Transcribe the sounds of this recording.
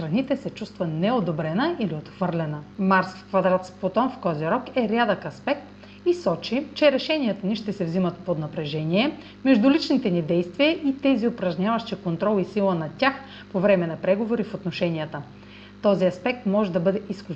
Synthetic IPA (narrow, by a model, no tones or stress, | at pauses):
ɾɐnit̪ɛsɛt͡ʃust̪vənɛod̪obɾɛnəʔiliot̪xvɤɾlʲɛnəmaɾsfkvɐd̪ɾat̪spot̪ɔnfkɔziɾɔkɛɾʲjad̪əkɐspɛk̚t̪ | isɔt͡ʃit͡ʃɛɾɛʃɛniət̪əniʃt̪ɛsɛvzimɐt̪pod̪nɐpɾɛʒɛniɛ | mɛʒd̪ʊlit͡ʃnit̪ɛnid̪ɛjst̪viəʔit̪ɛziopɾɐʒɲʲavɐʃt͡ʃɛkont̪ɾɔlˠisilˠənɐtʲax | povɾɛmɛnɐpɾɛɡovoɾifot̪noʃɛniət̪ə | t̪ɔziɐspɛk̚t̪mɔʒɛd̪ɐbɤd̪ɛʔiskʲu